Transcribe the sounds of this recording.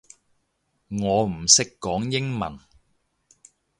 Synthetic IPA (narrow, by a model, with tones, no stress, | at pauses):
ŋɔː˨˧m̩˨˩sɪ˥kːɔː˨˥ŋjɪ˥ŋmɐ̰˨˩n